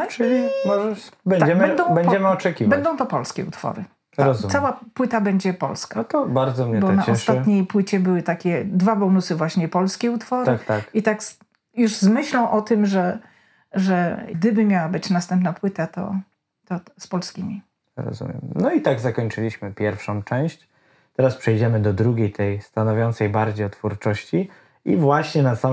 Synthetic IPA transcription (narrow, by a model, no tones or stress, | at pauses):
t͡ʂɘlʲimɔʐɛbɛɲad͡ʑɛmbɛnd̪ɔ̃w̃bɛɲd͡ʒɛmɘɔt͡ʂɛkʲivbabɛnd̪ɔ̃w̃t̪ɔpɔlskʲɛ̰ṵt̪fɔ̰ɾɨ̰ | ɾɔzumsawapwɘt̪abɛɲd͡ʑɛpɔ̰lskat̪ɔbaɾd̪zɔmɲɛbɔnaɔsʂat̪ɲejpwɘt͡ɕɛbɘwɘt̪akʲɛd̪vabɔnusɘvwaɕɲɛpɔlskʲɛut̪fɔɾɨakt̪akit̪ak | juʐzmɘɕlɔ̃w̃ʔɔt̪ɘmʐɛ | ʐɛɡd̪ɘbɘmʲjawabɘt͡ɕnast̪ɛmpnapwɘt̪at̪ɔ̰ | t̪ɔspɔlskʲimʲi | ɾɔ̰zṵmʲjɛ̰mnɔit̪aɡzakɔɲt͡ʂɘlʲiɕmɘpʲjɛɾfʂɔ̃w̃t͡ʂɛ̃w̃ɕt͡ɕ | t̪ɛɾaspʂɛjd͡ʑɛmɘd̪ɔd̪ɾuɡʲejt̪ʰɛjst̪anɔvʲjɔnt̪sɛjbaɾd͡ʑejɔt̪fuɾt͡ʂɔɕt͡ɕi | ḭvwaɕɲɛnasa